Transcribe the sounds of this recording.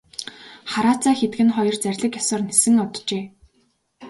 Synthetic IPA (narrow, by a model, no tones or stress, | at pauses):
χaɾaːt͡saːxet̪ɡɘ̆nχɔjɞ̆rt͡særʲɮɘ̆kjɔsɔ̆rnesɘ̆ŋʊt̪t͡ɕeː